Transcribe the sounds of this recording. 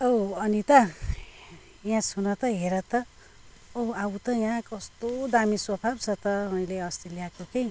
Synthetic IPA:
ʌwʌnit̪ʌ | jãsunʌt̪ʌɦeɾʌt̪ʌ | oawt̪ʌjãkʌst̪od̪amisopʰabt͡sʰʌt̪ʌmʌj̃leʌst̪relijakokej

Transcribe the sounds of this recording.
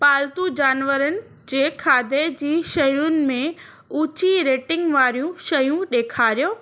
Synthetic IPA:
paːlt̪ud͡ʑaːnʋəɾənɪ̆ | d͡ʑeːkʰaːd̪ʱed͡ʑiːʃɐjʊnɪ̆mẽ | uːt͡ɕiɾeːʈɪ̃ŋɡʋaːɾijũʃɐjũɗeːkʰaːɾijoː

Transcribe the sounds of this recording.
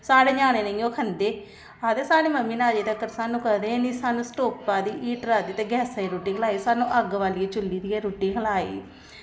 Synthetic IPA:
saːɽeːd͡ʒaːneːnẽŋoːkʰənd̪eː | aːd̪eːsaːɽeːməmːiːnaːd͡ʒeːd̪ekəɾsaːnũːkəd̪enisaːnũːsʈoːk̚paːd̪iːʔiːʈɾaːd̪iːt̪eːɡɛːsaːiːɾoːʈiːkʰəlaːiːsaːnũːʔəɡʋaːliːt͡ʃʊlːiːd̪iːɛːɾoːʈːiːkʰəlaːḭː

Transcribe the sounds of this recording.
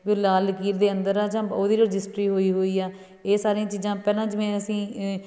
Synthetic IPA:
ɡɪlaːlkiːɾd̪eːənd̪əɾaːd͡ʒãːoːd̪iːɾəd͡ʒɪsʈɾiːɦoːiːɦoːiːaː | eːsaːɾeãːt͡ʃiːzãːpɛːlãːd͡ʒɪmɛ̃ːəsĩː

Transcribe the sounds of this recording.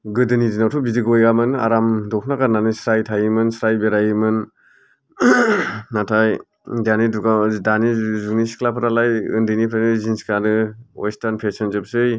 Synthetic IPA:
ɡɯdɯnidinawtʰubidiɡɔjɡamɯna̰ɾamdɔkʰnaɡananɯsɾajtʰajɯmɯnsɾajbeɾajɯmɯn | atʰaj | daniduɡadanizuknisi̥kʰlapʰɯɾalajɯ̰ndɯjnipʰɾanɯzinsi̥klanɯɔ̰jstaɾnpʰesɔnzɯpsɯj

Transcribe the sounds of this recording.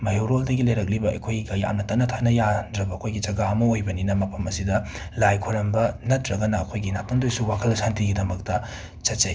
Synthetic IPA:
mɐjowɾoldɐɡilɐjɾɐk̚libɐɐ̰jkʰojɡikɐja̰mnɐtɐnɐtʰanɐjadɾɐbɐːkʰojɡid͡ʒɐɡaɐmɐojbɐninɐmɐpʰɐmɐsidɐ | lajkʰoɾɐmbɐnɐtɾɐɡɐnɐːkʰojɡinatondojsuwakʰɐlsantiɡidɐmɐk̚tɐ | t͡ʃɐt̚t͡ʃɐj

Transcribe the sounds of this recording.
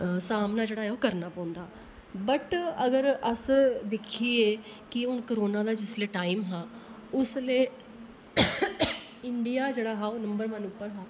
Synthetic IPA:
saːmnaːd͡ʒeːɽaːɛːoːkəɾnaːpãːnd̪aː | bəʈəɡəɾəsd̪ɪkʰiːeːkɪʊnkəɾoːnãːd̪aːd͡ʒɪsleːʈaːimɦaːʊsleː | ɪɳɖijaːd͡ʒeːɽaːɦaːoːnəmbəɾmənʊpːəɾɦaː

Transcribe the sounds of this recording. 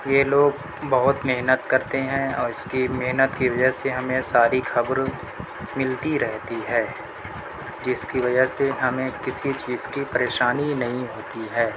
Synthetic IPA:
jeloːɡ̚ | bɐɦʊt̪meɦnət̪kɐɾt̪eɦɛ̃ɔːɾɪskimeɦnət̪kiʋɐd͡ʒəɦseɦɐmẽsaːɾixkʰɐbɾ | mɪlt̪iɾɛɦt̪iɦɛː | d͡ʒɪskiʋɐd͡ʒəɦseɦɐmẽkɪsit͡ʃiːzkipɐɾeːʃaːninɐɦĩɦoːt̪iɦɛː

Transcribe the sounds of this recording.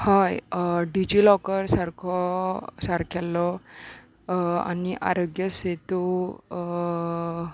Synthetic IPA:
hajɖid͡ʑilɔkəɾsaɾkʰɔsaɾkʰɛlːɔ | a̰niʔa̰ɾəɡjəset̪u

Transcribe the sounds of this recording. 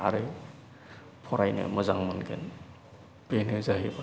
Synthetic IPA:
a̰ɾe | pʰɔɾajnɯ̰mɯzaŋmɯnɡḛn | benɯzaɦiba

